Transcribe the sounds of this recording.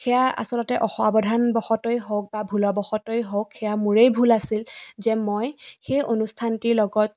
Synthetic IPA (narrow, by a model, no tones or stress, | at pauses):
xɛjaa̰sɔlɔtɛʔɔxɔabɔdʱanbɔxɔtɔjɦowk̚babʱulɔbɔxɔtɔjɦowkxɛjamuɹejbʱulasilzɛmɔjxejʔonustʰantiɹlɔɡɔt̚